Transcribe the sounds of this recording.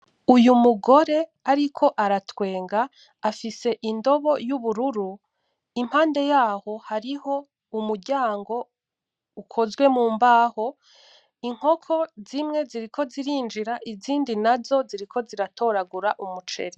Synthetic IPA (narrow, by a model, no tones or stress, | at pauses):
ujumuɡo̞ɾe̞aɾikʰo̞ʔaɾatwe̞ːŋɡaː | fise̞ʔindo̞βo̞juβuɾuɾu | im̥haːnde̞jaːho̞haɾiho̞ | umuɾɟaːŋɡo̞ | ukʰo̞zɡwe̞muːmbaːho̞ | iŋ̥ho̞kʰo̞zimŋe̞ziɾikʰo̞ziɾiːnd͡ʒiɾaʔiziːndinazo̞ziɾikʰo̞ziɾato̞ɾaɡuɾaʔumut͡ʃe̞̰ɾi